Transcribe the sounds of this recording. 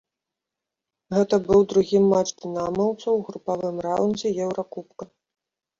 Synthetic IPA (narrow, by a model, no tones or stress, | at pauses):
ɣɛt̪ɐbɨwd̪ɾuɣʲimːat͡ʂd̪ʲɨnamɐwt̪sɐwɣɾupavɨmrawnd͡zʲɛjɛwɾakupkɐ